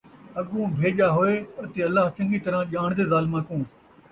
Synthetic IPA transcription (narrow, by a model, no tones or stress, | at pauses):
ɐɠũːbʱeːʄaːɦoeːət̪eːɐlaːɦt͡ʃɐ̃ŋɡiːt̪ɐɾãːʄaːɳ̃d̪eːzaːlmãːkũː